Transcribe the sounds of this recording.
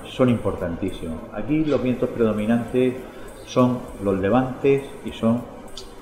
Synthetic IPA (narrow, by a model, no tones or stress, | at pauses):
sonĩmpo̞ɾt̪ant̪isimo̰a̰kilo̞ɦβ̞je̞nt̪o̞spɾe̞ð̞o̞mĩnãnt̪e̞s | so̞ŋlo̞zle̞β̞ant̪e̞s | iso̞ŋ